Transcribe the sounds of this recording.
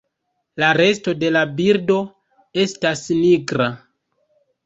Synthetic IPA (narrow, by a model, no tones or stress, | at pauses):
laɾe̞sto̞de̞labiɾdo̞ | e̞stasniɡɾa